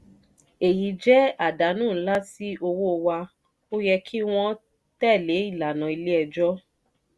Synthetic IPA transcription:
e˨ji˨d͡ʒɛ˦a˨da˨˦nũː˦˨˦la˦si˦ʔo˧wo˦o˧wa˧ | o˦jɛ˧kʰi˦w̃ɔ̃˦ | tɛ˦˨le˨˦i˦˨la˨nã˨i˧le˦ɛ˧d͡ʒɔ˦

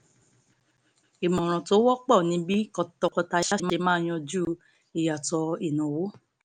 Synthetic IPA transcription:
i˨mɔ̃˨ɾ̃ɔ̃˨to˨˦wɔ˦k͡pɔ˦˨nĩ˨˦bi˦kɔ˧tɔ˧kɔ˧ta˧ʃa˦˧me˧mãː˦˨j̃ɔ̃˧d͡ʒu˦ | i˨ja˨tɔ˧i˦˨nũ˨wo˦

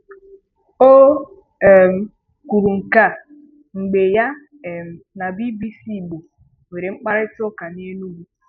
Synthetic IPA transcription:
o˦˨ | m̩˨ | ku˨ɾu˨ŋ̩˨ka˦˨ | ŋ͡m̩˨ɡ͡be˨ja˦˨ | m̩˨na˨bi˦bi˦si˦˨ɡ͡bo˨ | we˨ɾe˨ŋ͡m̩˦k͡pa˦ɾɪ˦tɔ˦ka˨ne˦nu˦wu˦

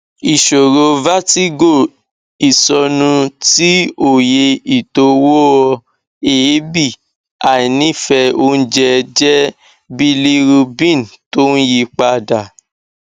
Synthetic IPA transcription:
i˨ʃo˨ɾo˧va˦ti˦ɡo˦˨ | i˨sɔ˧nũ˧ti˦o˦˨je˧i˨to˧wo˦ɔ˧ | e˨˦bi˦˨ | a˨i˨nĩ˦˨fɛ˧o˦n̩˦d͡ʒɛ˧d͡ʒɛ˦ | bi˦li˦ɾu˧bĩ˦˨n˨to˦n̩˦ji˧k͡pa˧da˨

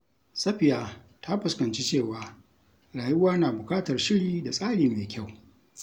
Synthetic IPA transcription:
sɐ˦ɸɪ˨jaː˨ | tʰa˦ɸʊ˨skɐ˨nt͡ʃi˦t͡ʃeː˦˨waː˨ | ɽaː˨jʊ˦waː˦naː˨bʊ˨kʼaː˦tɐ˨rʃɪ˦ɽiː˨da˨sʼaː˦ɽiː˨meː˨kʲa˦˨w

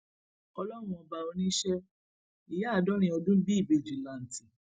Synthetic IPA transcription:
ɔ˧lɔ˦w̃ũ˧ɔ˧ba˧o˧nĩ˦ʃɛ˦ | i˨ja˦a˦˨dɔ˦ɾ̃ĩ˧˦ɔ˧dũ˦bi˦i˦˨bi˨˧˨d͡ʒi˨la˨n̩˨ti˨

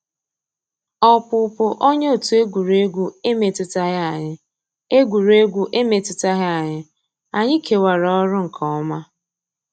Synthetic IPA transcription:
ɔ˦pʊ˨pʊ˦ʔo˦ɲe˦o˨tu˨˦e˦ɡʷu˨ɾe˦ɡʷu˦e˦me˨tɪ˦ta˦ɣa˨ɲɪ˦ | e˦ɡʷu˨ɾe˦ɡʷu˦ʔe˦me˨tɪ˦ta˦ɦɪ˦a˨ɲɪ˦ | a˨ɲɪ˦kʰe˨wa˨ɾɔ˦ɾʊ˦ŋ̩˨kʰɔ˨ɔ˦ma˦

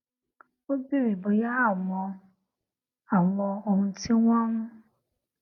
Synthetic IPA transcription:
wo˦bi˦wi˨bo˨ja˦ɦa˦˨mɔ̃˨ | a˨wɔ̃˨o˨hũ˦ti˦ŋʷ˦ã˦nũ˦

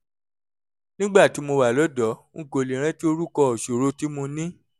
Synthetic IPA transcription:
nĩ˦ɡ͡ba˦˨ti˨˦mo˧wa˨lɔ˨˦dɔ˨˦ŋ̩̃˦˨ɡo˨li˨ɾ̃ɛ̃˦ti˦o˧ɾu˦kɔ˧ɔ˨ʃo˨ɾo˦ti˦mũ˧nĩ˦

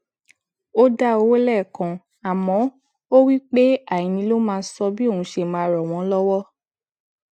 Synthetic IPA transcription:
o˦da˦o˨˧˦wo˦lɛ˦˨kã˨ | a˨mɔ̃˨˦ | o˦wi˦k͡pe˦a˦˨jĩ˨˧nĩ˧lo˦mãː˧˦sɔ˧bi˦o˦˨ũ˨˧˦ʃe˧˨mãː˨˦ɾɔ˨w̃ɔ̃˨˦lɔ˦wɔ˦

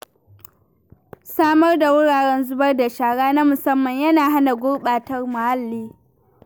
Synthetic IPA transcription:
saː˦mɐ˦rda˨wʊ˦ɽaː˨ɽɛ˦nzʊ˦bɐ˦rda˨ʃaː˨ɽaː˦na˦mʊ˨sɐ˦mːɐ˨ɲjɐ˦naː˨ɦa˦na˨ɡʷʊ˦ɽɓaː˨tɐ˦rmʊ˨ha˦lːiː˦

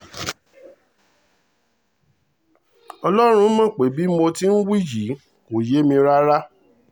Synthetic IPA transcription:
ɔ˧lɔ˦ɾ̃ũ˧˦mã˦˨k͡pe˨˦˨bi˨˦mo˧ti˦n̩˦wi˦˨d͡ʒi˨˦ | ko˨je˨˦mĩ˧ɾa˦ɾa˦

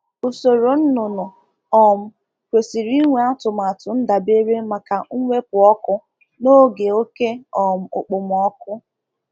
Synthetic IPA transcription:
o˨so˨ɾo˨n̩˦nʊ˨nʊ˨ | ɔ˨m̩˦˨ | kʷe˨si˨ɾi˦ŋʷe˨a˦tʊ˨m̩˨a˨tʊ˨n̩˦da˨be˦ɾe˦ma˨ka˨ŋ̩˦ŋʷe˦pʊ˨ɔ˦kʊ˦ | no˦ɡe˨o˦ke˦ɔ˨m̩˨ʊ̰˨k͡pʊ˨m˨ɔ˦kʊ˦

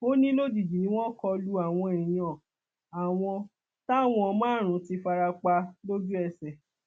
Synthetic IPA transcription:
o˦nĩ˦lo˦d͡ʒi˨d͡ʒi˨nĩ˦w̃ɔ̃˦kɔ˧lu˧a˨w̃ɔ̃˧e˨jĩ˨˦ɔ̃˨ | a˨w̃ɔ̃˧ | ta˦˨w̃ɔ̃˧mãː˦˨ɾ̃ũ˨˦ti˧fa˧ɾa˧k͡pa˧lo˦d͡ʒu˦ɛ˦˨sɛ˨

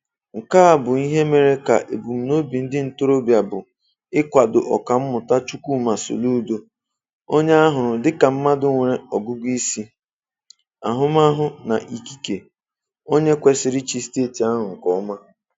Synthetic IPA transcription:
ŋ̩˨kaː˦a˨bʊ˨i˦ɦe˦me˨ɾe˦ka̰˨ʔe˨bu˨m̩˨no˦bi˨n̩˦dɪ˦n̩˨to˦ɾo˦bja˨bʊ˨ | ɪ˦kʷa˨dʊ˨ʔɔ̰˨ka˨m̩˦mʊ˨ta˦t͡ʃu˦kʷu˦ma˨so̰˨lu˦do˦ | o˦ɲe˦a˦ɦʊ˨ɾʊ˨dɪ˦ka˨m̩˦ma˦dʊ˦ŋʷe˨ɾe˦ɔ˨ɡu˦ɡʷi˦si˦ | a˨ɦʊ˦ma˦ɦʊ˨na˨ʔi˨ki˦ke˨ | o˦ɲe˦kʷe˨sɪ˨ɾɪ˦t͡ʃi˦ste˦˨ti˨a˦ɦʊ˨ŋ̩˨kɔ˦ma˦

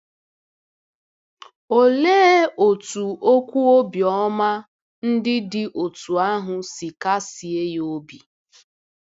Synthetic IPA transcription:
o˨leː˦o˨tu˨o˦kʷu˦o˦bjɔ˦ma˦ | n̩˦dɪ˦dɪ˨ʔo˨tu˨a˦ɦʊ˨si˨ka˦si˨e˦jo˦bi˨

